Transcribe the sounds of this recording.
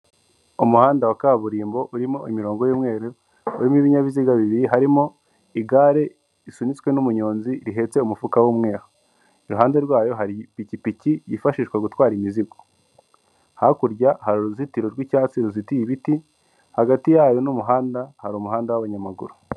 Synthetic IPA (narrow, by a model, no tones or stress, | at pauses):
umuhaːndawakaβuɾiːmbo̞ʔuɾimoʔimiɾo̞ːŋɡojuːmŋe̞ːɾe | uɾimiβiɲaβiziɡaβiβiɾiɦaɾimo | iɡaːɾe̞ | isunit͡swe̞numuɲo̞ːnziɾiɦe̞t͡se̞umufukawuːmŋe̞ːho | iɾuɦaːnde̞ɾɡwaːjo̞ɦaɾipicipicijifaʃiːʃkwaɡutwaːɾimiziɡo | hakuɾɟahaɾuɾuzitiɾo̞ɾɡwicaːt͡siɾuzitijiβiti | haɡatijajonumuɦaːndahaɾumuɦaːndawaβaɲamaɡṵɾu